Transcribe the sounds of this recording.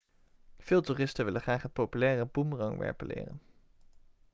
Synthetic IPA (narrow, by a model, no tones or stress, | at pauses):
v̥ɪːlˠtuːrɪstənʋɪləχraːχɦət̚popylɛːrəbumrɑŋʋɛ̰ɹpəlɪ̰ːrə̰n